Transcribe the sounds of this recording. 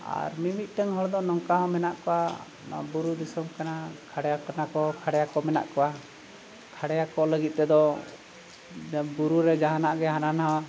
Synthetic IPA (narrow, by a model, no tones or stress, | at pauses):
a̰ɾmimit̪̚ˀʈ̪əŋɦɔɽd̪ɔnɔŋkaɦɔ̃mɛnaʔkɔwa | na̰buɾud̪isɔmkanakʰaɽɛjakanakɔkʰaɽɛjakɔmɛna̰ʔkɔwa | kʰaɽɛjakɔləɡit̪̚ˀt̪ɛd̪ɔ | buɾuɾɛd͡ʒaɦanaʔɡɛɦananɦawa